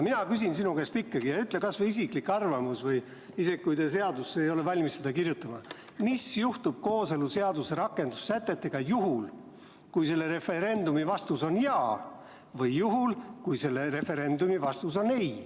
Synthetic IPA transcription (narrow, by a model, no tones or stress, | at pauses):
minɑkys̬insinukest̪ikːɑɡ̥ijɑyt̪ːˑlekɑsveis̬ikˑlikɑrvɑmusvɤj | ise̞ɡikujd̪es̬e̞ɑd̪usːejo̞le̞vɑlʲmistːsed̪ɑkirjut̪ːˑɑmɑ | misjuht̪ub̥̚ko̞ːseluse̞ɑd̪use̞ɾɑkːˑe̞nd̪̥usːæt̪ːˑe̞t̪ːˑe̞ɡ̥ɑjuɦul | kujse̞lːe̞ɾe̞fe̞ɾe̞nd̪umivɑst̪uso̞njɑː | vɤjːuɦulkujse̞lːe̞ɾe̞fe̞ɾe̞nd̪umivɑst̪uso̞ne̞j